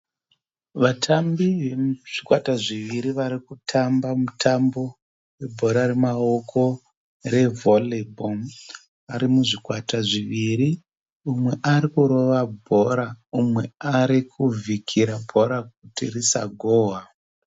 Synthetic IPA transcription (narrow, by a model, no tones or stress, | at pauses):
ʋatʰambiʋeʐ̥ikwataʐiʋiɾiʋaɾikutʰambamutʰambo̞ | we̞bʱo̞ɾaɾe̞maokʰo̞ | re̞volibʱom | aɾimuʐikwataʐiʋiɾi | umwe̞ʔaɾikuɾo̞ʋabʱo̞ɾaumwe̞aɾikʰuvʱikʰiɾabʱo̞ɾak̚utirisa̰ɡʱoːɦa